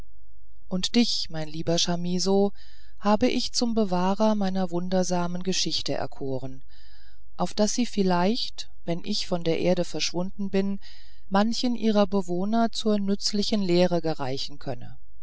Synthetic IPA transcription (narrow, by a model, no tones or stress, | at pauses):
ʔʊntd̥ɪç | maɪnliːbɐʃamiːzo | haːbəʔɪçt͡sʊmbəvaːʁɐmaɪnɐvʊndɐzaːmənɡəʃɪçtəʔɛ̰ɐkʰoːʁ̞ən | ʔaʊfd̥asz̥iːfɪlaɪçt | v̥ɛnʔɪçfɔndeːɐʔeːɐɾəfɛɐʃv̥ʊndn̩bɪn | mançənʔiːʁɐbəvoːnɐt͡suːɐnʏt͡slɪçənleːʁəɡəʁa̰ɪçn̩kʰœnə̰